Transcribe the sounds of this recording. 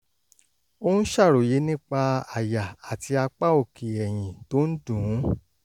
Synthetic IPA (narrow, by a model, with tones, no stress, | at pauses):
o˦hũ˦ʃa˦˨ɾo˨je˨˦nĩ˦k͡pa˧a˨ja˨a˨ti˧a˧k͡pa˦o˦˨ki˨ɛ˨j̃ĩ˨to˨˦n̩˦dũ˨˦